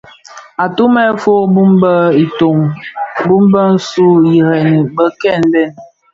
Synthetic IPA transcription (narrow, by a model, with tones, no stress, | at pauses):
a˨tu˦mɛ˦fo˦bu˦mbə˦i˨to˨ŋbu˦mbə˦n̩˦su˦ji˨ɾɛ˨n˨bə˦kɛ˦˨n̩˦bɛ˦˨n